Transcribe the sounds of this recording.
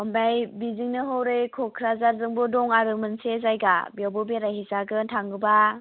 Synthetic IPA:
ɔmbajbiziŋnɯɦɯwɾɯjkʰɔkʰɾazaɾzɯŋbɔdɔŋaɾɯmɯnsezajɡabjawbɯbeɾajɦizaɡɯntʰaŋɯba

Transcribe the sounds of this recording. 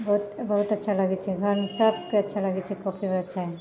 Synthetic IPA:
bɐɦʊt̪bɐɦʊt̪ɐtːʃʰalɐɡɛt͡ʃʰɛɡʱɐɾsɐb̚keɐtːʃʰalɐɡɛt͡ʃʰikɔːpʰibəɾɐtːʃʰaɦɛ

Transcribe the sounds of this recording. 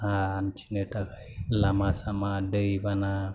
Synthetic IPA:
ɦaːnt͡ʃʰineʈakʰajlamasamaɖeibana

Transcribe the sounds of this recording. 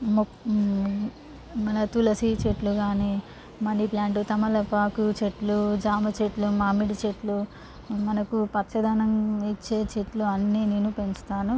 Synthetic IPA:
mo | mɐnɐt̪ulɐsit͡ʃeʈluɡaːniː | mɐniplaːɳʈut̪ɐmɐlɐpaːkut͡ʃeʈlud͡ʒaːmɐt͡ʃeʈlumaːmiɽit͡ʃeʈlu | mɐnɐkupɐtːt͡ʃɐd̪aːnɐmit͡ʃːe̞ːt͡ʃeʈluɐnːiːneːnupe̞ɲt͡ʃu̥t̪aːnu

